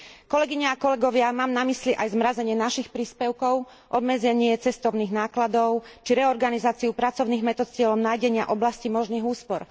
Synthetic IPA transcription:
kɔlɛɡiɲɛakɔlɛɡɔʋɪamaːmnamisliʔajzmɾazɛɲɪɛnaʃixpɾiːspɛʊkɔʊ | ʔɔd̪mɛd͡zɛɲɪɛt͡sɛst̪ɔʊniːɣnaːklad̪ɔʊt͡ʃiɾɛɔɾɡanizaːt͡siupɾat͡sɔʊniːɣmɛt̪ɔt̪ɪɛlɔʊnaːjɟɛɲɪaʔɔblascimɔʒniːɣuːspɔɾ

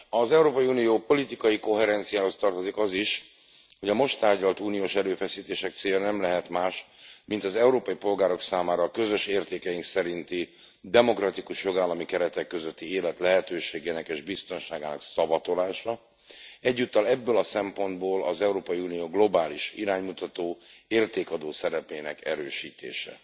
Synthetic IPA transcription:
ɒzɛuɾoːpɒjiuːnijoːpo̞lit̪ikɒjiko̞ɦɛɾɛnt̪sijaːho̞st̪ɒrt̪o̞zikɒziʃ | ho̞ɟɒmo̞ʃt̪aːrɟɒlt̪uːnijoːʃɛɾøːfɛsiːt̪eːʃɛk̚t̪seːjɒnɛmlɛɦɛt̪maːʃmint̪ɒzɛuɾoːpɒjipo̞lɡaːɾo̞ksaːmaːɾɒkø̞zø̞ʃeːrt̪eːkɛjiŋksɛɾint̪i | d̪ɛmo̞krɒt̪ikuʃjo̞ɡaːlːɒmikɛɾɛt̪ɛkːøzøt̪ːieːlɛt̪lɛɦɛt̪øːʃeːɡeːnɛkeːʒbist̪o̞nʃaːɡaːnɒ̰ksɒbɒt̪o̞laːʃɒ | ɛɟːut̪ːɒlɛbːøːlɒsɛmpo̞nd̪boːlɒzɛuɾoːpɒjiuːnijoːɡlo̞baːliʃiɾaːɲmut̪ɒt̪oːeːrt̪eːkɒd̪oːsɛɾɛpeːnɛkɛɾøːʃiːt̪ḛːʃɛ̰

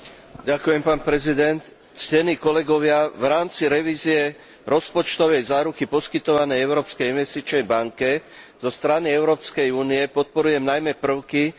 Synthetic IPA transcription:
ɟakujɛmpaːnpɾɛzid̪ɛnt̪ | scɛniːkɔlɛɡɔʋɪaʋɾaːmt͡siɾɛʋiːziɛ | ɾɔspɔt͡ʃt̪ɔʋɛjzaːɾukipɔskit̪ɔʋanɛjɛʊɾɔːpskɛjinʋɛst̪it͡ʃnɛjbaŋkɛz̥ɔst̪ɾaniɛʊɾɔːpskɛjuːnijɛpɔt̪̚pɔɾujɛmnajmɛpr̩ʊki

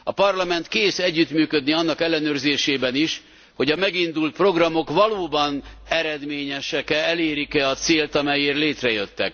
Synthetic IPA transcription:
ɒ̰pɒrlɒmɛnt̪keːsɛɟːyt̪myːkød̪niɒnːɒkɛlːɛnøːrzeːʃeːbɛniʃ | ho̞ɟɒmɛɡind̪ult̪̚pro̞ɡrɒmo̞kvɒloːbɒnɛɾɛd̪meːɲɛʃɛkɛɛleːɾikɛɒt̪seːlt̪ɒmɛjeːrleːt̪rɛjøt̪ːɛ̰k

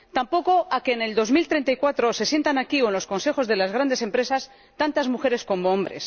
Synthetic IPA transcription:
t̪ampo̞ko̞ake̞ːne̞ld̪o̞zmilt̪ɾe̞nt̪aikwat̪ɾose̞sje̞nt̪anakiwenlo̞sko̞nse̞xo̞zðe̞lazɣɾand̪e̞se̞mpɾesas | t̪ant̪azmuxe̞ɾe̞sko̞moõmbɾe̞̰s

